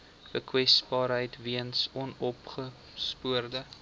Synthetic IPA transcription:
b̥əkwɛsbɑːɾɦəjtviənsɔnɔpχə | spuərdə

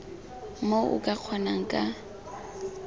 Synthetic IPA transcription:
moʔʊ̰kʼaq͡χʰwanaŋ̩kʼa

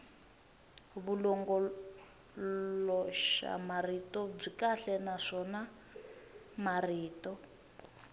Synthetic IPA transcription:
βulɔŋɡɔ | lɔʃa̰maritɔb͡ʐikaɬɛnaʂɔna | mariːtɔ

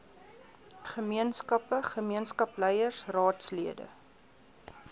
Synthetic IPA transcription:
χəmiənskɐpəχəmiənskɐpləjərsrɑːtsliədə̰

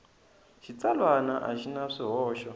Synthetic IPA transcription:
ʃit͡salwanaʔa̰ʃinaʂiɦɔːʃɔ

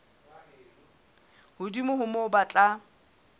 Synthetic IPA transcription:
hʊdimʊɦʊmɔʊbat͡ɬʼa

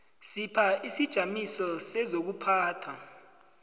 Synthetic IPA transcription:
sipʰaisid̥ʒ̥ʱamisɔsɛzok̬upʰaːtʰa

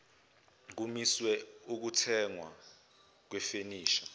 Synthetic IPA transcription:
k̬umiswɛuk̬utʰɛŋwa̰ | k̬wɛfeniːʃḁ

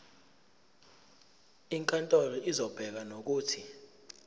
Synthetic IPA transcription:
iŋkʼantʼolɔʔizɔb̥ʱɛk̬anok̬uːtʰi

